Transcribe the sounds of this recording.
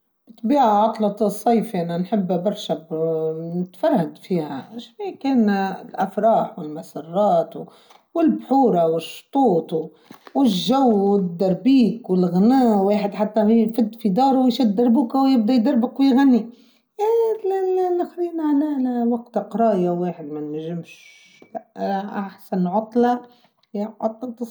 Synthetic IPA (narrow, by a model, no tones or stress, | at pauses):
bt̪ˤbiːʕaʕɑt̪ˤlɑt̪ˤsˤːɑjfiʔananħɪbːbɑɾˤʃabnɪt̪fɑɾˤhad̪fiːha̰ʃfiːkeːnlʔafɾˤɑːħwɪlmasɑrˤːɑːt̪ | wɪlbħuːɾˤɑwɪʃːt̪ˤuːt̪ˤ | wɪʒːawwɪd̪ːɑɾˤbiːkwɪlɣnæːweːħɪd̪ħat̪ːafɪd̪ːfid̪ɑːɾˤwjʃɪd̪ːɑɾˤbuːkawjɪb̚d̪ajd̪ɑɾˤbɪqwjɣanːi | nɪxɾiːnʕalawaɡt̪qɾˤɑːjaweːħɪd̪mænːæʒɪmʃ | ʔaħsanʕʊt̪ˤːlɑ | ʕʊt̪ˤːlt̪s